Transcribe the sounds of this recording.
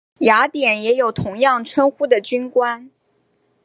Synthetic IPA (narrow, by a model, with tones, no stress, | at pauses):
ja˧˥t̪jɛ˨˩njɛ˧˥jo˨˩ʊt̪ʰʊ˧˥ŋjɑ˥˩ŋʈ͡ʂʰwə˥nxu˥d̪ə˨t͡ɕy˥nkwa˥n